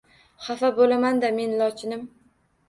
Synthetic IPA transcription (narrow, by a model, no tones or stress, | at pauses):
χafabolamand̪ame̞nlɒt͡ʃʰɪnɪm